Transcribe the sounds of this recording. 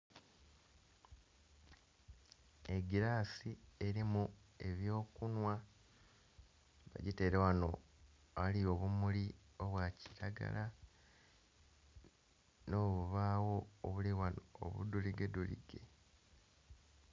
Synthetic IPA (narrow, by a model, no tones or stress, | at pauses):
e̞ɡiɾaːsie̞ɾimue̞βjo̞ːkunwa | βa̰ɟite̞ːɾewano̞ | alio̞βumuli | o̞βwaci̥ɾaɡa̰la | no̞ːβuβaːwo̞ːβuliwanoo̰βṵduliɡedulḭɡ̥e̞